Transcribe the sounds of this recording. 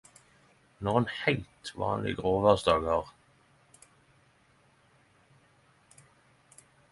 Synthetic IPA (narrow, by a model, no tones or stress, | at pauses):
nɔʁenhæɪlt̪ʋɑ̰ːnlɪ̰ɡʁoːʋæʁsd̪ɑːɡhɑːʁ